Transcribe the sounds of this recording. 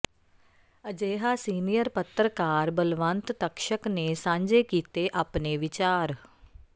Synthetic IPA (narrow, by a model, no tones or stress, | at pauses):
əd͡ʒeːɦaːsiːnijəɾpət̪ɾəkaːɾbəlʋə̃nt̪t̪əkʃəkneːsãːɲd͡ʒeːkiːt̪eːʔaːpneːʋɪt͡ʃaːɾ